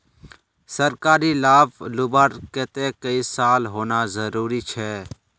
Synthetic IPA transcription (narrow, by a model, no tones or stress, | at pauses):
səɾkaːɾiːlaːblʊbaːɾkeːt̪eːkəisaːlɦoːnaːzəɾuːɾiːt͡ʃʰɛː